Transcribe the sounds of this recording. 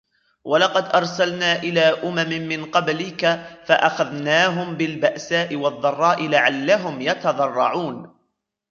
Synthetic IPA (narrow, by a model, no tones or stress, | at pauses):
wɑlɑqɑd̪ʔɑɾˤsalnaːʔɪlaːʔʊmamɪːɪnqɑblɪkafaʔaxaðnaːɦʊmbɪlbaʔsaːʔɪwɑðˤːɑrˤːɑːʔɪlaʕalːaɦʊmjɑt̪ɑðˤɑrˤːɑʕuːn